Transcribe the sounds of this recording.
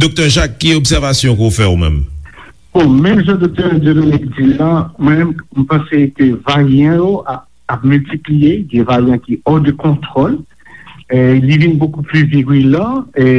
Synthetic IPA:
d̪ok̚t̪œʁʒakːɛɔbsɛʁvasjɔ̃kofɛomɛ̰̃m | b̥ɔ̃mɛ̃mʒɑ̃d̪ok̚t̪œʁɛdenõnikd͡zilãmwɛ̃mɛmm̩pɑ̃sekəvajɛ̃joa | ap̚mylt̪iplijeɡɛ̃vajɛ̃kiɔd̪əkɔ̃t̪χɔl | livinbokuplyviʁylã

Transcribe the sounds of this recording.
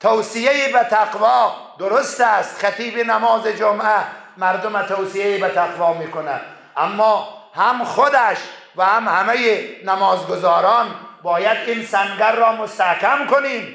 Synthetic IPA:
t̪ʰowsijeibæt̪ʰaqvɒː | d̪ʊɾʊst̪æst̪xæt̪iːfinæmɒːzid͡ʒomæ | mæɾd̪omæt̪ʰowsijeibæt̪ʰaqvɒːmiːkonæd̪ | ʔamːɒːhæmχod̪æʃ | væhamhæmæjinæmɒːzɡozɒːɾɒːnbɒːjæd̪insæŋɡæɾːɔːmost̪ahkʰæmkoniːm

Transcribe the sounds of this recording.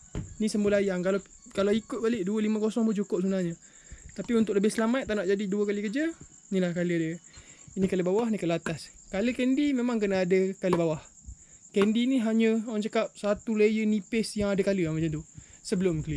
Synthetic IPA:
nisəmbəlajaŋkala | kalaikʊt̪̚balɪʔduəlimə̃kosɔŋput͡ʃukʊp̚sunahɲə | t̪apiunt̪ʊk̚ləbɪhsəlamat̪̚ːanaʔd͡ʒadiduəkalikəd͡ʒa | nĩlahkaləadəinikaləbawahnikalat̪as | kaləkɛndimemaŋk̬ənaadəkaləbawah | kɛndiniɦaɲəwaŋt͡ʃakap̚sat̪uləjənipɪsjaŋadəkaləamat͡ʃant̪usəbəlʊmkəli

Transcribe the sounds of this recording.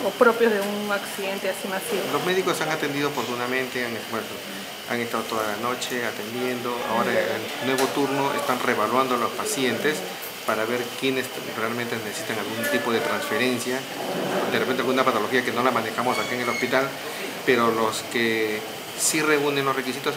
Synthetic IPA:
opɾopjozðeuŋaksiðe̞nt̪easimasilo̞zme̞ðiko̞saŋat̪e̞nd̪ið̞oapo̞ɾt̪unamẽ̞nt̪eaŋebweno | a̰ŋest̪að̞ot̪o̞ðalano̞t͡ʃe̞at̪e̞nd̪je̞nd̪o̞a̰o̞ɾaelnwe̞βo̞t̪uɾno̞ʔḛst̪anre̞βalwand̪olospasje̞nt̪e̞s | paɾaβe̞ɾkje̞nes | realment̪e̞nesesit̪aŋalɣunt̪ipo̞ð̞e̞t̪ɾansfe̞ɾe̞nsja | d̪erepent̪ealɣunapat̪o̞lo̞xiake̞no̞lamane̞xamosakaeŋe̞lo̞spit̪al | pe̞ɾo̞loske | sire̞une̞nlosre̞kisit̪os

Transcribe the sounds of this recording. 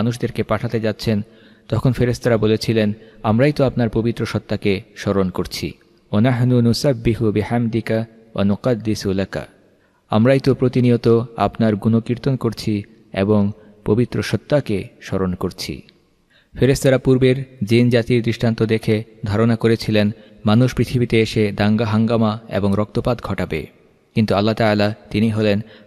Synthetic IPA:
anuʃd̪eɾkepaʈʰat̪ed͡ʑatːɕʰen | t̪ɔkʰonfeɾest̪aɾabolet͡ɕʰilenamɾajt̪oapnaɾpobit̪ːɾoʃɔt̪ːakeʃɔɾonkoɾt͡ɕʰḭ | wanaħnunusabːiɦubiħamd̪ika | wʔa̰nuqad̪ːisulaka̰ | a̰mɾajt̪opɾot̪iniot̪oa̰pnaɾɡunokiɾt̪onkoɾt͡ɕʰi | ḛboŋ | pobit̪ːɾoʃɔt̪ːakeʃɔɾonkoɾt͡ɕʰḭ | feɾest̪aɾapuɾbeɾd͡ʑind͡ʑat̪iɾd̪ɾiʃʈʰant̪od̪ekʰed̪ʱaɾonakoɾet͡ɕʰilen | manuʃpɾit̪ʰibit̪eeʃed̪aŋɡaɦaŋɡamaḛboŋɾɔk̚t̪opad̪ɡʱɔʈabḛ | kint̪ualːat̪aːlat̪iniɦolen

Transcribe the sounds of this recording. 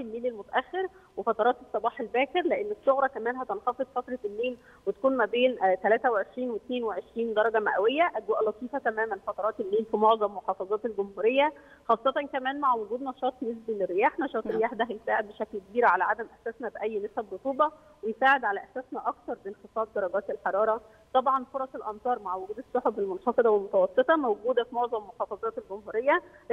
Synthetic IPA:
filmeːlelmot̪æʔæxːeɾwefɑt̪ˤɑɾˤɑːt̪esˤːɑbɑːħelbæːkeɾleʔenːesːoɣɾˤɑkæmæːnɦæt̪enxɑfed̪ˤfɑt̪ɾˤɑlːeːl | wet̪æ̥kuːnmæbeːnt̪ælæːt̪æweʕeʃɾiːnwet̪neːnweʕeʃɾiːnd̪ɑɾˤɑɡæmæʔæwejːæʔæd̪woʔælɑt̪ˤiːfæt̪æmæːmænfɑt̪ˤɑɾˤɑːt̪elːeːlfimoʕzˤɑmːoħɑːfɑzˤɑːt̪elɡomhuːɾejːæ | xɑːsˤːɑt̪ɑnkæmæːnmaʕwoɡuːd̪nɑʃɑːt̪ˤbnes̬bæleɾːejaːħnɑʃɑːt̪ˤɾːejaːħd̪æɦæjesaːʕed̪̚beʃæklkebiːɾʕalæʕad̪æmʔæħsæːsnæbeʔæjːnesæbɾot̪ˤuːbɑ | wejsaːʕed̪ʕalæʔæħsæːsnæʔɑk̚t̪ɑɾˤbenxesɑːb̚d̪ɑɾˤɑɡæːt̪elħɑɾˤɑːɾˤɑ | t̪ˤɑbʕɑnfoɾˤɑsˤelʔɑmt̪ˤɑːɾˤmaʕwoɡuːd̪esˤːoħobelmonxɑfed̪ɑwelmot̪æwɑsˤːet̪ˤɑmæwɡuːd̪æfimoʕzˤɑmːoħɑːfɑzˤɑːt̪elɡomhuːɾejːæ

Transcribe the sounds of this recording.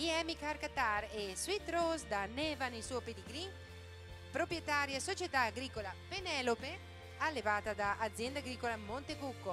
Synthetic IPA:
iɛmikaɾkat̪aɾeswit̪ɾosd̪anɛvanelsuoped̪eɡɾin | pɾopɾjet̪aːɾjasot͡ʃet̪aːɡɾiːkolapenɛlope | alːevaːt̪ad̪aʔːd̪zjɛnd̪aɡɾiːkolamont̪eɡukːo

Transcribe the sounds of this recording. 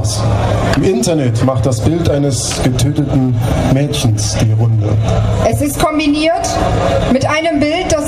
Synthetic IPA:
sʔɪmʔɪntɐnɛtmaχt̚d̥asb̥ɪltʔaɪnəs | ɡ̥ətʰøːtətn̩mɛːçn̩sd̥iːʁʊndə̰ʔɛsɪstkʰɔmbiniːɐtmɪtʔaɪnəmbɪlt̚d̥as

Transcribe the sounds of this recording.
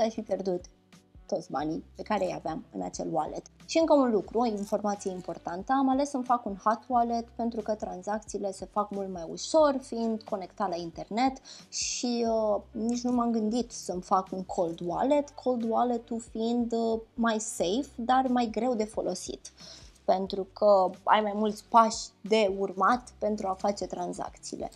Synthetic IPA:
safipʲjerd̪ut̪ː | o̞t̪sʲba̰nipe̞kaɾeja̰veamɨ̰na̰t͡ʃe̞̰lwa̰lʔḛt̪ʃiɨŋkəunlukɾuoinfo̞rmat̪sije̞impo̞rt̪ant̪əamale̞səmfakunhat̪walet̪pe̞nt̪ɾukət̪ɾanzak̚t̪siːle̞se̞fakmult̪majṵʃo̞rfiind̪kʰo̞ne̞kt̪at̪laint̪e̞rne̞t̪ʃiənit͡ʃʲnumamɡɨnd̪it̪səmfakunŋkʰo̞ld̪wa̰le̞t̪kʰo̞ld̪walet̪ufiind̪majse̞jfd̪armajɡɾe̞wd̪e̞fo̞lʔo̞sḭt̪pe̞nt̪ɾukʰəa̰jmajmult̪sʲpaʃd̪e̞urmat̪pe̞nt̪ɾuafat͡ʃe̞t̪ɾanza̰kt̪sḭːlḛ

